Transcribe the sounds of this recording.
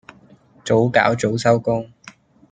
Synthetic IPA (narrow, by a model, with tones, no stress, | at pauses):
t͡so˨˥wka̰ː˨˥wt͡so˨˥wsɐ˥wkʊ˥ŋ